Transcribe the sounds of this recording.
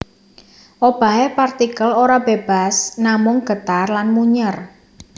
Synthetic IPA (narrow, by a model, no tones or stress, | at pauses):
ʔob̥a̤epart̪ikəloɾab̥eb̥a̤snamʊŋɡ̥ə̤t̪arlanmuɲər